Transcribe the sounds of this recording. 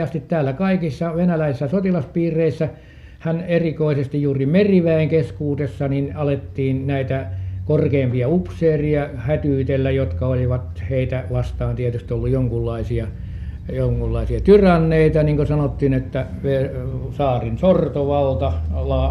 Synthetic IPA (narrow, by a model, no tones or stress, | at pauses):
ɑst̪it̪t̪æːlːækɑikisːɑʋenælæisisːæsot̪ilɑspiːrˑeisːæ | hænerikoisest̪ijjuːrimeriʋæiŋkeskuːt̪esːɑninɑlet̪ːiːnnæit̪ækorkeːmpiɑupseːriɑhæt̪yːt̪elːæjot̪kɑoliʋɑt̪heit̪æʋɑst̪ɑːnt̪iæt̪yst̪iolːujjoŋkulːɑisiɑ | joŋkulːɑisiɑt̪yrɑnːeit̪ɑniŋkosɑnot̪ːiːnet̪ːæʋesɑːrinsort̪oʋɑlt̪ɑlɑ